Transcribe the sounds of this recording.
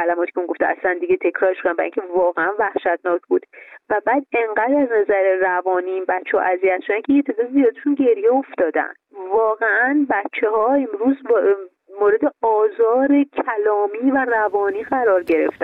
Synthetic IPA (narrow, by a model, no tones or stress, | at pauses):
kælæmɒːt̪i̥cʰeuŋɡo̞ft̪eæ̰slænd̪iɟet̪ʰe̞cʰɾɒːɾeʃod̪ænbæ̰ɾḭ̃ŋcʰe̞vɒːɣeænvæhʃæt̪̚ʰnɒːcʰbuːd̪̥væbæːd̪e̞ŋɢæd̪æznæzæɾerævɒːniːnbæt̪t͡ʃːehɒ̰ʔæziæt̪ʃod̪æncʰejet̪ʰezɒːizijɒːd̪eʃunɟe̞ɾjeoft̪ɒːd̪æ̰nd̪vɒːɣeænbæt̪t͡ʃʰːehɒːe̞mɾuːz | moːɾe̞d̪e̞ɒːzɒːɾe̞cʰælɒːmiːværævɒːniːɣæɾɒːɾɟe̞ɾe̞̰ft̪æn